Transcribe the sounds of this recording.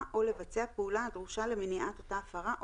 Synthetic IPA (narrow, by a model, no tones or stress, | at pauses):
ʔo̞le̞vat͡seapeulahadʁuʃale̞meniʔat̪o̞taːfaʁaʔ